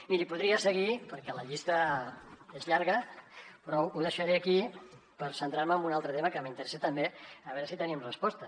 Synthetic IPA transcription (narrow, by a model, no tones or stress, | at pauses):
miɾipuðɾiəsəɣ̞ipəɾkɛləʎist̪ə | ezʎaɾɣəpɾɔuðəʃəɾeaki | pəɾsənt̪ɾaɾməːmbunalˠt̪ɾət̪eməkəmint̪əɾɛset̪əmbeəβɛɾəsit̪ənimrəspɔst̪ə